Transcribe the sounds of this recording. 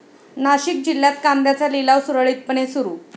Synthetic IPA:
naɕik̚d͡ʑilːjat̪kand̪jat͡salilaʋsuɾəɭiːt̪̚pəɳesuɾuː

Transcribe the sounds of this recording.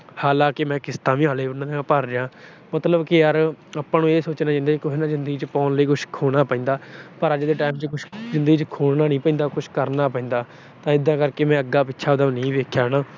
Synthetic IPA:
haːlãːkɪmɛ̃ːkɪst̪ãːʋĩːaːleːʊnãːneːpəːɾɾeãː | mət̪ləbkɪjəɾapːãːnũːeːsoːt͡ʃnaːd͡ʒɪ̃nd̪aːt͡ʃkʊɦeːnãːzɪnd̪əɡiːt͡ʃpɔ̃ːnləiːkʊʃkʰoːɽ̃aːpəĩːd̪aːpəɾəd͡ʒd̪eːʈaːɪmt͡ʃkʊʃzɪnd̪əɡiːt͡ʃkʰoːɽnaːnĩːpəɪ̃ːnd̪aːkʊʃʰkəɾnaːp̬ɛĩːnd̪aː | t̪ãːɪd̪ãːkəɾkeːmɛ̃ːəɡːaːpɪtːʃʰaːəd̪aʋnĩːʋeːkʰjaːɽãː

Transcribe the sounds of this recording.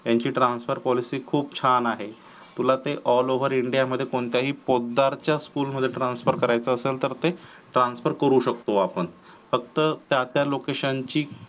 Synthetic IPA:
jaɲt͡ɕiːʈɾansfəɾpɔlisiːkʰuːp̚t͡ɕʰanaɦe | t̪ulat̪eʔɔloʋəɾiɳɖijaməd̪ʱːjekoɳt̪jaɦiːpod̪ʱːaɾt͡ɕjaskuːlməd̪ʱːjeʈɾansfəɾkəɾajt͡səːselt̪əɾt̪e | ʈɾãnsfəɾkəɾuːɕəkt̪oapəɳ | fəkt̪ət̪jat̪jalokeɕant͡ɕiː

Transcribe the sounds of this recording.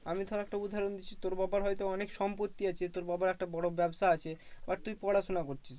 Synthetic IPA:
amid̪ʱaɾaɛk̚ʈaud̪ʱːaɾond̪it͡ɕʰit̪oɾbabaɾɦɔjt̪oɔnekʃɔmpot̪ːiat͡ɕʰet̪oɾbabaɾɛk̚ʈabɔɽobɛbʃaat͡ɕʰebaɾt̪ujpɔɽaʃonakoɾt͡ɕʰis

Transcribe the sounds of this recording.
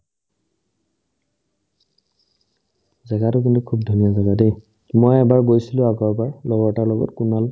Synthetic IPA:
zɛɡatʊkintukʰub̚dʱunijɔzaɡadej | mojɛbaɹɡojsilʊ̃aɡɔɹbaɹlɔɡɔtaɹlɔɡɔ̰tkunal

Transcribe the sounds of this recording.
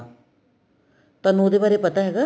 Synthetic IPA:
t̪ɐnõːd̪eːbaːɾepɐt̪aɦɛːɡaː

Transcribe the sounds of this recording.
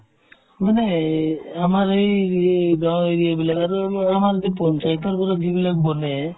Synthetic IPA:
manɛ | amaɾejɡaweɾijabilakaɾuamaɾd̪ipɔnsait̪aɾpɔɾaɡibilak̚bɔnɛ

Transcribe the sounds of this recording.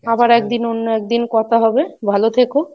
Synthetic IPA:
abaɾɛk̚d̪inonːoɛk̚d̪inkɔt̪ʰaɦɔbebʱalot̪ʰeko

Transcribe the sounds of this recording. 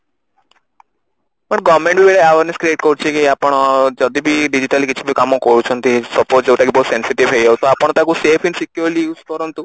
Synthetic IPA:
pəɳɡɔʋmẽɳʈbibeɽeaʋaɾneskɾieʈkɔɾut͡ʃʰekiapəɽ̃d͡ʒɔd̪ibʱiɖid͡ʑiʈalikit͡ʃʰibʱikamɔkɔɾut͡ʃʰɔnt̪isɔpoɾd͡ʒewʈakibʱoːt̪sensiʈiʋɦejd͡ʒawt̪oapəɳ̃t̪akusepʰinsikjuɾlipɔɾɔnt̪u

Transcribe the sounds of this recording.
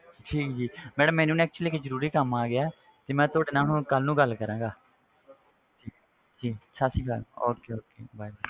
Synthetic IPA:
ʈʰiːkd͡ʒiːmɛːɖəmːɛːnũːnɛːk̚t͡ʃuəliːkezəɾuːɾiːkəmaːɡɪaːɛː | t̪eːmɛ̃ːt̪ʊoːɖeːnaːnũːkəlnũːɡəlːkəɾãːŋɡaː | d͡ʒiː | d͡ʒiːəʃʰaːsĩːɡə̰loːkeːoːkeːbaːibaː

